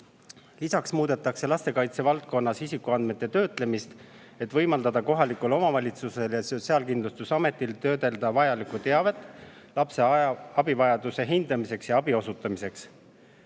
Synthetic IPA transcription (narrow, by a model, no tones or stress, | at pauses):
lisɑksmuːd̪̥e̞t̪ːˑɑkse̞lɑst̪e̞kɑjt̪se̞vɑlt̪̚ko̞nːɑsisikːˑuɑnd̪me̞t̪ˑːe̞t̪ø̞ːt̪ˑle̞mist̪ | e̞t̪ːˑvɤ̞jmɑld̪ɑd̪ɑko̞ɦɑlikulo̞mɑvɑlʲit̪suse̞ljɑsoseɑlkind̪lust̪usɑme̞t̪ːˑilt̪ø̞ːd̪e̞ld̪̥ɑvɑjɑlikut̪e̞ɑve̞t̪ːˑ | lɑpse̞ɑbivɑjɑd̪use̞ɦind̪̥ɑmise̞ksjɑɑbio̞sut̪ːˑɑmise̞ks